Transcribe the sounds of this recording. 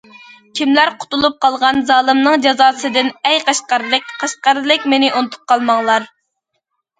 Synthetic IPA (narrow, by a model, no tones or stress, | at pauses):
kʲʰimlæɾqʰʊ̥t̪ulˠup̚qʰɑlˠʁɑnzɑːlˠɨmnɨŋd͡ʒɑzɑːsɨd̪ɪnɛjqʰɑʃqɑɾɨlˠɨkʲqʰɑʃqɑɾlˠɨk̚ʲmenɪʔunɨt̪ʰu̥p̚qʰɑlˠmɑŋlˠɑɾ